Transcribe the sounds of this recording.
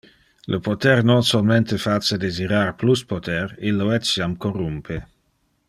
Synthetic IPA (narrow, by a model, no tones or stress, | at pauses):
lʔəpot̪ɛrnonsolment̪efat͡sːed̪eziɾarpluspot̪ɛrilːoɛt͡sjamkorumpʰe